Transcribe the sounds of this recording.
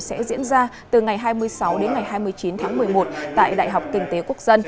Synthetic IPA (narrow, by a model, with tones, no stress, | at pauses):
sɛ̰˧˥zḭ˧˥ənzaː˧ | t̪ɨ˨˩ŋa˨˩jɦaː˧jmɨ˧əjsa˨˦wɗe˨˦nŋa˨˩jɦaː˧jmɨ˧əjt͡ɕi˨˦nt̪ʰaː˨˦ŋmɨ˨˩əjmo˨˩t̚t̪a̰ː˧˨jɗa̰ː˧˨jɦa˨˩wk͡p̚kï˧˩ŋ̟t̪e˨˦ku˦˥ək̚zə˧n